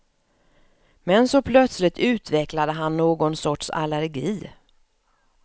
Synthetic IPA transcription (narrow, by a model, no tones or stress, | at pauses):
mɛnsɔpʰlœt̪slɪt̪ʰʉ̟ːt̪vɛklad̪əɦanːoːɡɔnsɔʈʂa̰læɾɡiː